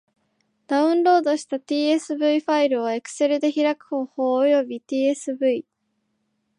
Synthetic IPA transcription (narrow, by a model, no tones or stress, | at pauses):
d̪̥aɯ̟̃nɾo̞ːd̪o̞ɕi̥t̪at̪iːe̞sɨbɯ̟iɸaiɾɯ̟oe̞kɯ̟̥se̞ɾɯ̟d̪e̞çiɾakɯ̟̥ho̞ːho̞ːjo̞bʲit̪iːe̞sɨbɯ̟i